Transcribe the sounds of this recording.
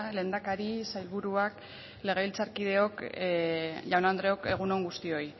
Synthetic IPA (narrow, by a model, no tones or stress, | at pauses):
le̞ːnd̪akaɾisajlβuɾuak | le̞ɣ̞e̞βilt͡saɾkið̞e̞o̞k | ʎawnand̪ɾe̞o̞ke̞ɣ̞uno̞ŋɡust̪io̞j